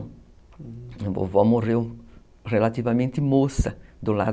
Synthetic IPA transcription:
vo̰vɔmorew | relat̪ivɐmẽnt̪ɪmosɐd̪ʊla̰

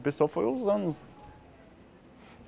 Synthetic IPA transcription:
pesuawfojõzɐ̃nʊs

